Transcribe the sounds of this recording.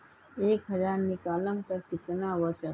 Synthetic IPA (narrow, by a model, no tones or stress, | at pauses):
eːkɦɐd͡ʒaːɾnɪkaːlə̃ŋt̪ɐɾkɪt̪naʋət͡ʃə